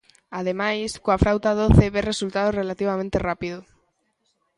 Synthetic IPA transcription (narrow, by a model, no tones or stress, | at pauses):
að̞emajskoafɾawt̪aðoθeβeresult̪að̞orelat̪iβ̞amẽnt̪erapiðo